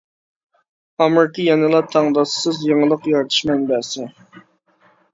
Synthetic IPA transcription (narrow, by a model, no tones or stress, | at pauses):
ɑmɨɾkʰʲijɛnɨlˠɑt̪ʰɑŋd̪ɑssɨzjəŋəlˠəqjɑɾt̪ʰɨ̥ʃmɛnbɛsɪ